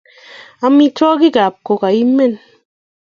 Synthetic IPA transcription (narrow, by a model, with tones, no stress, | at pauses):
a˨mi˦tɔ˦ki˦ka˨p̚ko˨ka˨i˦me˦˨n